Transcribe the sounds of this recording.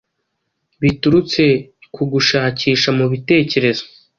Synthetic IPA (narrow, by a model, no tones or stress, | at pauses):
βituɾut͡se̞kuɡuʃaːciːʃamuβite̞ːce̞ɾe̞zo̥